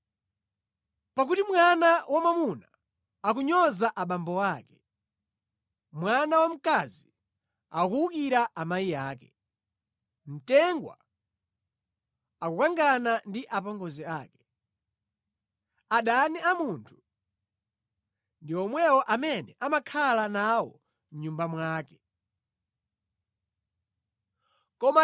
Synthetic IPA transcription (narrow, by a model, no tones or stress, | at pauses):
pak̬utimwanawʔamamuna | ak̬uɲɔzaʔaɓambɔwaːkɛ̥ | mwanawam̩kazi | a̰kuukiɾaʔamajijaːkɛ | m̩tɛŋɡwa̰ | akukaŋɡanandiʔapɔŋɡɔziaːkɛ̥ | aɗaniamuntʰu̥ | ndiɔmwɛwɔʔamɛnɛʔamakʰalanawɔ̰ | m̩ɲumbamwaːkɛ̥ | kɔma